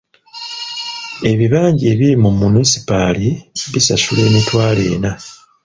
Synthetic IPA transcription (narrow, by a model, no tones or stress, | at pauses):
e̞βiβaːɲɟeːβiɾimumunisi̥paliβisasuleːmitwaːle̞ːna